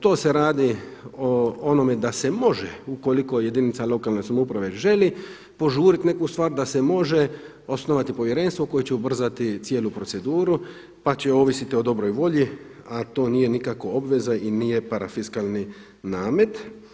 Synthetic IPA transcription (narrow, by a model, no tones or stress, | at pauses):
t̪o̞ːse̞ɾaːd̪ioono̞me̞d̪ase̞mo̞ʒḛuko̞liko̞je̞d̪init̪salo̞kaːlnesamupɾaʋe̞ʒe̞li | po̞ʒuːɾit̪ne̞kust̪ʋaːɾd̪ase̞mo̞ʒe̞ | o̞sno̞ʋat̪ipo̞ʋje̞ɾe̞ːnst̪ʋoko̞jet͡ɕeubr̩zat̪it̪sjeːlupɾo̞t̪se̞d̪uːɾu | pat͡ɕeoːʋisit̪io̞d̪o̞bɾo̞jʋo̞ʎi | at̪o̞ːnije̞nikako̞o̞bʋe̞zainiːje̞paɾafiskalˠni | naːmet̪